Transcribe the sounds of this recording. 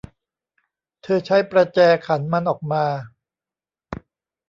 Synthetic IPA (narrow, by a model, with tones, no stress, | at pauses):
t̪ʰɤː˧t͡ɕʰa˦˥jpɾa˧t͡ɕɛː˧kʰa˩˦nma˧nʔɔː˨˩k̚maː˧